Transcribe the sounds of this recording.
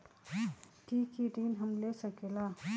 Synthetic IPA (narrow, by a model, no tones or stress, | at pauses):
kikiʈiːnɦəmlesəkela